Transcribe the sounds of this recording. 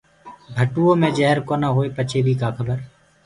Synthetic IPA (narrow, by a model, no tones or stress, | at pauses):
bʱəʈuːõːmẽːd͡ʒəɦəɾkoːnaːɦoːeːpət͡ʃʰeːd̪ʱiːkaːkʰəbəɾ